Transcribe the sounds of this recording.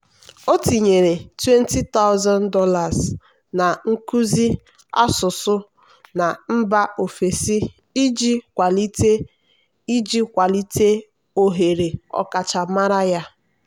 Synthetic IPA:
o˦ti˨ɲe˨ɾe˨twe˦n˦ti˦ta˦ʊ˦zɔ˦ndɔ˦la˨z | na˨ŋ̩˦ku˦zi˦ | a̰˦sʊ˨sʊ˦ | na˨m̩˦ba˦ʔo˨fe˨si˦ | i˦d͡ʒi˦kʷa˨li˦te˦ | i˦d͡ʒi˦kʷa˨li˦te˦ | o˨ɦe˨ɾe˨ɔ̰˦˨ka˨t͡ʃa˨ma˦ɾa˦ja˦

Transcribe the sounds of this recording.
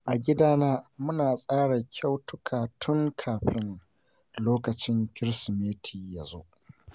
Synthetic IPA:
ʔa˨ɡʲɪ˦daː˦naː˦mʊ˦naː˨sʼaː˦ɽa˨kʲʰa˦wtʊ˦kʰaː˨tʰʊ˦ŋkʰaː˨ɸɪ˦n | loː˦kɐ˨t͡ʃɪ˦ŋkʲɪ˦ɾsmeː˦tʰiː˨ja˨zoː˦ʔ

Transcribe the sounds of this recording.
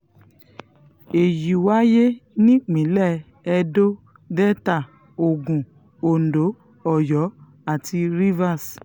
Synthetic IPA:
e˨ji˨wa˦je˦nĩ˦ɡ͡bĩ˨˦lɛ˦˨ | ɛ˧do˦ | dɛ˦ta˦˨ | o˨ɡũ˨ | o˨n̩˨do˨˦ | ɔ˦˨jɔ˨˦ | a˦˨tʰi˧ɾi˦va˦˨s

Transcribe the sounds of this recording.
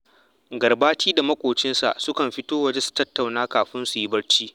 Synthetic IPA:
ɡɐ˨rbaː˦t͡ʃiː˦da˨mɐ˦kʷʼoː˨t͡ʃɪ˦nsa̰˨ʔsʊ˦kɐ˨mɸɪ˦toː˦wɐ˨˦d͡ʒe˦su̥˨tɐ˦tːa˨wnaː˦kaː˨ɸɪ˦nsu˨ji˦bɐ˦ɽt͡ʃiː˦

